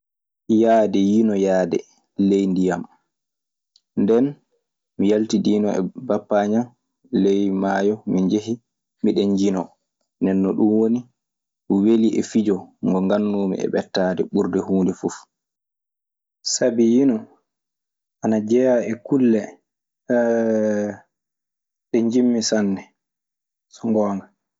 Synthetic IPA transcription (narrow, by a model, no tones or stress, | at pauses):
jaːdɛjinɔjaːdɛ̰ | lejndijam | ndɛn | mijaltidiːnɔɛ̰bapːaɲam | lɛjmaːjɔmiɲd͡ʒeɦi | miɗɛɲd͡ʒinɔ | nɛnːɔɗumwoni | mweliʔɛfid͡ʒɔŋɡɔŋɡanːuːmḭʔɛ̰ɓɛtːaːdɛ̰ɓuɾdɛhuːndɛfuf | sabijinɔ | ʔanad͡ʒɛjaɛkulːɛ | ɗɛɲd͡ʒimːisanːɛ | sɔŋɡɔːŋɡa